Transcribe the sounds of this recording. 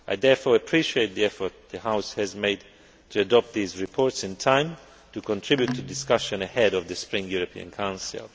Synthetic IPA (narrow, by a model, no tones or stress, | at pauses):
aɪðɛɹfɔɹəpʰɹ̥iʃieɪt̪̚ðiɛfɔ˞t̪̚ðəhaʊshɨzmeɪd | tʰuədɔp̚t̪̚ðizɹipʰɔɹtsɪ̃ntʰãɪ̃m | tukɔ̃ntʰɹ̥ɪbjutʰːudɪskʌʃə̃nəhɛɾɔvðəspɹɪ̃ŋjuɹəpʰḭə̰̃nkʰãʊ̃nsɪ̰l